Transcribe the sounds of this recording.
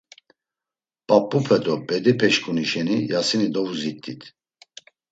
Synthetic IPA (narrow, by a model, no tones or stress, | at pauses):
pʼapʼːupʰɛd̪ɔpʼɛd̪ipʰɛʃkʰʼuniʃɛnijasinid̪ɔvuzit̪ʼːit̪ʰ